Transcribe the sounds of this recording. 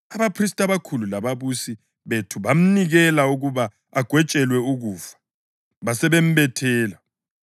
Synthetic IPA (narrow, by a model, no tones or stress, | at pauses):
aβapʰris̬tʼaβakʰululaβaβusi | βetʰuβam̩niɣɛlauɣuβa | aɡ̥ʱwɛt͡ʃʼɛlwɛuɣuːfḁ | βasɛβem̩bɛtʰɛːla